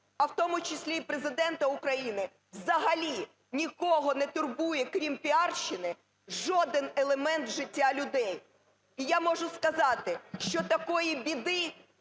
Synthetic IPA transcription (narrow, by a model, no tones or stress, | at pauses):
ɐwt̪ɔmʊt͡ʃɪsʲlʲipɾezɪd̪ɛnt̪ɐʊkɾɐjinɪ | wzɐɦɐlʲi | nʲikɔɦɔnɛt̪ʊrbujɛkɾʲimpʲiɑrʃɪnɪ | ʒɔd̪ɪnelˠemɛnt̪ʒɪtʲːalʲʊd̪ɛj | ijamɔʒʊskɐzɑt̪ɪʃt͡ʃɔt̪ɐkɔjibʲid̪ɪ